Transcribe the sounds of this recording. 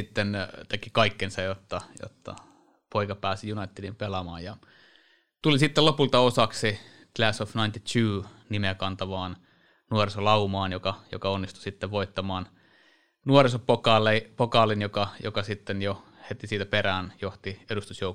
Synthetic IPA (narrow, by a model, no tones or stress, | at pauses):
it̪ːent̪ekikɑikːensɑjot̪ːɑjo̰t̪ːɑ̰ | poikɑpæːsijunɑit̪ːedimpelɑmɑ̰ːjjɑ | t̪ulisit̪ːelopult̪ɑosɑksi | k̪læsofnɑint̪it̪ʰuːnimekɑnt̪ɑʋɑːn | nuorisolɑumɑːnjokɑjo̰kɑonːist̪u̥sit̪ːeʋʋoit̪ːɑmɑːn | nuorisopokɑlepokɑlinjokɑjo̰kɑsit̪ːenjo | het̪isiːt̪æperæːnjoht̪iedust̪usjouk